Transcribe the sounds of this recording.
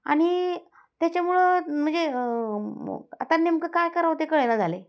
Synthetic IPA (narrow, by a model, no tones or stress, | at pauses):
a̰ɽ̃i | t̪jat͡ɕamuɭəm̤əɳd͡ze | a̰t̪anːemkəkajkəɾaʋt̪ekəɭenad͡zʱale